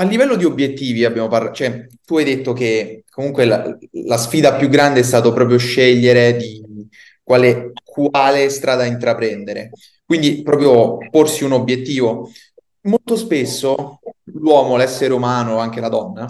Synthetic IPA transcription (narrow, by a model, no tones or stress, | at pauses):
alːivɛlːod̪iobjet̪ːiːviabjaːmoparlat͡ʃoɛt̪uajd̪et̪ːok̟ekːomuŋkwela̰lasfiːd̪apjuɡːɾand̪eɛs̬t̪aːt̪opɾɔːp̬ɾjoʃːɛʎːeɾed̪i | kwaːlekʰwaːlest̪ɾaːd̪aint̪ɾapɾɛnd̪eɾḛ | kwind̪ipɾɔːpɾjoporsiunobjet̪ːiːvo | molt̪ospesːolwɔːmolɛsːeɾeumaːnoaŋk̟elad̪ɔnːa